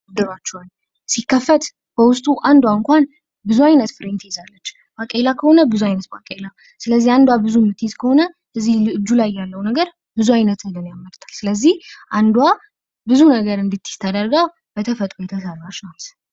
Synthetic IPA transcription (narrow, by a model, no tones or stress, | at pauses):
ɡd̪ɨɾat͡ʃːɛwan | sikːəfət̪ | bəwʊst̪ʼuʔand̪waɨŋkʷan | bɨzuajnət̪fɨɾent̪ʰjizalːət͡ʃː | bakʼelakʰəho̞nəbɨzuajnət̪̚ba̰kʼela | sɨləzːihand̪wabɨzumɨt̪ːijizkʰəho̞nə | ʔɨzːilɨɨd͡ʒːulajːalːəwnəɡəɾ | bɨzuajnət̪əlɨnjamːəɾt̪ʰḁlsɨləzːihʔand̪wa | bɨzunəɡəɾɨnd̪ɨt̪ʰːi̥st̪ʰːəd̪əɾɡa | bət̪ʰəfət̪ʼɾojɛt̪ʰəsəɾaʃnat̪